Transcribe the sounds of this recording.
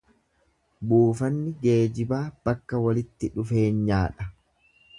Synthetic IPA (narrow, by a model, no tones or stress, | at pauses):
buːfɐnːɪɡe̞ːd͡ʒɪbaːb̥ɐkːɐwɐlɪt̪ːɪᶑʊfe̞ːnɲaːᶑɐ